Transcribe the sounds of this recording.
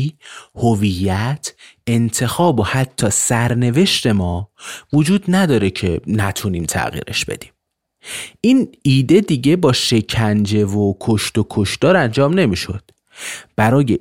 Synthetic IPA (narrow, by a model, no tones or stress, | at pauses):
hovijːæt̪ʰe̞nt̪ʰe̞xɒːbo̞hæt̪ʰːɒːsæɾne̞ve̞ʃt̪e̞mɒːvod͡ʒuːd̪næd̪ɒːɾe̞cʰe̞næt̪ʰuniːmt̪ʰæ̰ɣḭːɾe̞̰ʃb̥e̞̰d̪̥i̥ːm | ʔiːniːd̪e̞d̪iːɟe̞bɒːʃe̞cʰænd͡ʒe̞vokʰoʃt̪okʰoʃt̪ɒːɾænd͡ʒɒːmne̞miːʃo̞̰d̪̥ | b̥æɾɒːje